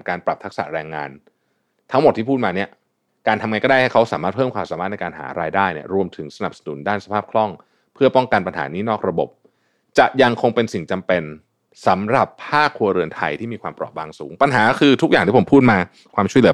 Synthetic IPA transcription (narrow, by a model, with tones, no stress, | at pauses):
kaː˧npɾa˨˩p̚t̪ʰa˦˥k̚sa̰˨˩ɾɛː˧ŋːa̰ː˧n | t̪ʰa˦˥ŋmo˨˩t̪ʰːiː˥˩pʰu˥t̪̚maː˧ni˥˩ɐ | kaː˧nt̪ʰa˧mŋa˧jkɔ˥˩a˥˩j̪a˥˩kʰa˦˥wsaː˩˦maː˥˩t̚pʰɤː˥˩mkʰwaː˧saː˩˦maː˥˩t̪̚na˧jkaː˧nɦa̰ː˩˦ɾaː˧jdaː˥˩jni˥˩ɐɾu˧əmt̪ʰɯ˩˦ŋsa˧na˨˩p̚sḁ˧nṵ˨˩˦ndaː˥˩nsa˧pʰaː˥˩p̚kʰlɔ˥˩ŋ | pʰɯ˥˩ɐpɔ˥˩ŋka˧npa˧nɦaː˩˦niː˦˥nɔː˥˩k̚ɾa˧bo̰˨˩p̚ | t͡ɕa˨˩ʔja˧ŋkʰo˧ŋpe˧nsi˨˩ŋt͡ɕa˧mpe˧n | sa˨˩˦mɾa˨˩pʰːaː˥˩kʰːu˧ɐɾɯ˧ənt̪ʰa˧jt̪ʰiː˥˩miː˧kʰwaː˧mpɾɔ̰ː˨˩p̚baː˧ŋsṵː˩˦ŋpa˧nɦaː˩˦˥kʰɯː˧t̪ʰu˦˥k̚a˨˩ŋt̪i˥˩˦pʰuː˥˩t̪̚maː˧ | kʰwaː˧mt͡ɕʰu˥˩lɯ˩˦